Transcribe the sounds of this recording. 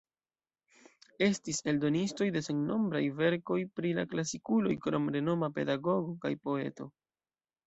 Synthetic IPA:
e̞stise̞ldo̞nisto̞jdeseŋno̞mbɾajve̞ɾko̞jpɾila̰klasikulo̞̰jkɾo̞mɾe̞no̞mape̞̰daɡo̞ɡo̞ka̰jpo̞e̞̰to̞̰

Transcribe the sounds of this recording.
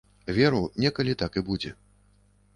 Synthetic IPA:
vʲɛɾunʲɛkɐlʲit̪akɨbud͡zʲɛ

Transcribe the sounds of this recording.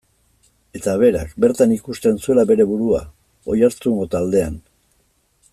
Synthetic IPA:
e̞t̪aβ̞e̞ɾa̰kbe̞ɾt̪anikust̪e̞nsue̞labe̞ɾe̞βuɾua̰ | o̞jaɾt͡suŋɡo̞t̪ald̪e̞an

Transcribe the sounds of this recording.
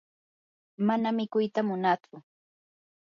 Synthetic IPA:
manamɪkʊjt̪amʊnat͡sʊ

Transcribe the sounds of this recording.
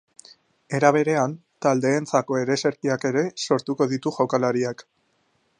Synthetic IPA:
e̞ɾaβ̞e̞ɾe̞ant̪ald̪e̞ːnt͡sako̞e̞ɾe̞se̞ɾkiake̞ɾe̞so̞ɾt̪uko̞ðit̪uʝawkalaɾiak

